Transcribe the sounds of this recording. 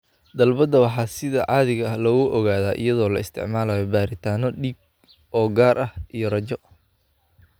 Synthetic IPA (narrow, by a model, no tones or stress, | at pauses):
d̪ɐlbɐd̪ɐwɑħɑːsɪðɐʕɑːðɪɣɐɐhlɔɣʊʔɔɣaːðaːʔɪ̰jɐðɔːlɐɪst̪ʰɪ̰ʕmaːlaːjɔbaːɾɪt̪ʰaːnɔɖiːɡ̚ | ɔːɡaːrʔɐhʔijɔrɐt͡ʃɔ